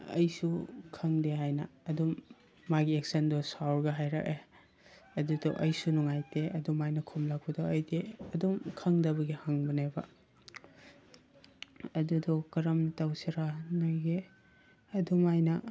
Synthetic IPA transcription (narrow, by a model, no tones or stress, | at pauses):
ɐ̰jsukʰɐŋdeɦajnɐːdumː | aɡiek̚sɐndɔsawɾɡɐɦajɾa̰ke | ɐdudɔʔɐjsunuŋajteɐdumajnɐkʰumlak̚bɐdɔɐjdeɐdumkʰɐŋdɐbɐɡihaŋbɐnebɐ | ɐdudɔkɐɾɐmntawsiɾanajɡe | ɐdumajnɐ